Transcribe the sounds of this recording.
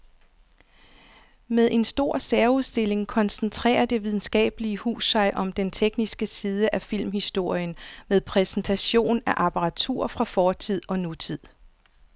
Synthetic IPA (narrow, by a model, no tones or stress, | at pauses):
meðˠʔe̝nsd̥o̝ɐ̰seɐuð̞ˠsd̥e̝le̝ŋkʰɒ̽nsn̩t͡sʰʁɛ̰ːɐd̥e̝ʋið̞ˠn̩sɡ̥ɛ̰ːb̥əliəhṵːsːɑ̈ɪʔɒ̽md̥ent͡sʰeɡ̥nisɡ̥əsiːð̞ˠəʔæfil̰mhisd̥o̝ɐ̰jənmeðˠpʰʁɛsn̩t͡sʰæɕo̝̰ːnæʔɑpʰɑʁɑ̈t͡sʰṵɐ̰fʁɑ̈fɒːt͡sʰið̰ˠɒ̽nut͡sʰið̰ˠ